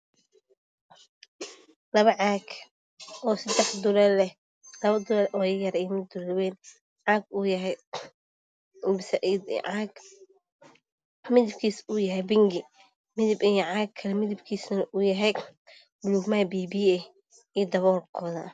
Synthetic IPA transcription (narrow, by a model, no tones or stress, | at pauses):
lɐβɐʕɑːɡ | ɔːsɐd̪ɛħd̪ʊlɛlɛ | lɐβɐd̪ʊlɐɾʔɔːjɐɾijmɪd̪ʊllwɛn | ʕaːɡuːjɐɦɛj | sʔʕɡ | mɪðɪb̚kʰiːsuːjɐɦɛjbɪŋɡɪ | mɪðɪbɪjɔʕaːɡʰɐlɛmɪðɪbkʰiːsnɐʔuːjɐɦɛj | bluːɡmajbiːbiːɛ | ijd̪ɐβɔːrkʰɔːðɐ̰